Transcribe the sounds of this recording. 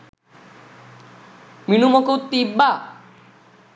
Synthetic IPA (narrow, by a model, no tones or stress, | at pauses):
minumokowt̪ibːa